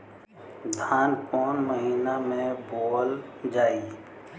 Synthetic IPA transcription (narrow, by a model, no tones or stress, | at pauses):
d̪ʱaːnkɔːnməɦiːnamẽboːld͡ʒaːi